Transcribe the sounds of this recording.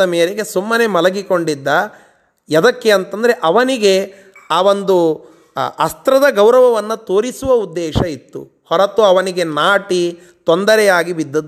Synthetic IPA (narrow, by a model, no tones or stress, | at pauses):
ɐmeːɾeɡe̞sumːɐnemɐlɐɡiko̞ɳɖid̪ːɐ | jɐd̪ɐkːeɐnt̪ɐnd̪ɐɾe̞ʔɐʋɐniɡe | aːʋo̞nd̪u | ɐst̪ɾɐd̪ɐɡɐwɾɐʋɐʋɐnːɐt̪oːɾisuʋɐud̪ːɛːʃɐit̪ːṵ | hɔɾɐt̪uɐʋɐniɡe̞naːʈi | t̪ond̪ɐɾɛjaːɡibid̪ːɐd̪